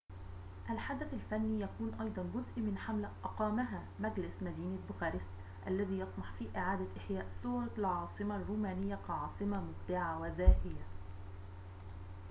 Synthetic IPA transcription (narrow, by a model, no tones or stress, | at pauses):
ʔalħad̪aθalfanːiːjækuːnʔɑjd̪ˤɑnd͡ʒʊzʔimɪnħamlaʔɑqɑːmaɦaː | mæɡlɪsmæd̪iːnabʊxæːɾɪst̪ | ʔa̰lːæðiːjɑt̪ˤmɑħfiːʔɪʕaːd̪aʔɪħjæːʔsuːɾˤɑlʕɑːsˤɨmarːuːmæːnɪjːakɑʕɑːsˤɨmamʊb̚d̪aʕawæzaːhɪja